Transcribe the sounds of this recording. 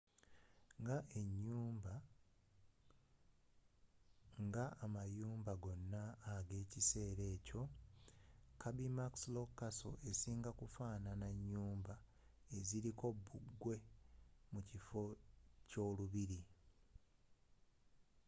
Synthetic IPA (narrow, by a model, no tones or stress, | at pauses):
ŋɡaʔe̞ɲːuːmba | ŋɡaːmajuːmbaɡo̞nːaːɡe̞ːcise̞ːɾe̞ːco̞ | kabimakslo̞kːaso̞̰ʔe̞siːŋɡakufaːnanaɲːuːmba | e̞ziɾiko̞bːuɡːwe̞mucifo̞co̞ːluβiɾi